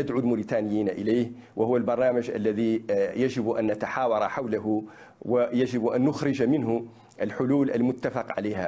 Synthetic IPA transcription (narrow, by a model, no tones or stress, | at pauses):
ad̪ʕuːlmʊɾit̪aːnɪjːiːnaʔɪleːh | wahʊwːalbɑɾˤnaːmad͡ʒʔa̰lːaðijad͡ʒɪbʔa̰nːat̪aħaːwɑɾˤɑħawlaɦʊ | wajad͡ʒɪbʔanːʊxɾɪd͡ʒmɪnɦʊ | ʔalħʊluːlʔa̰lmʊt̪ːafɑqʕa̰leːha